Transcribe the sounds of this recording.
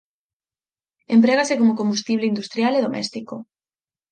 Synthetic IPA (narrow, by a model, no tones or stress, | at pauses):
empɾeɣasekomokombust̪iβleind̪ust̪ɾjaleðomɛ̰st̪iko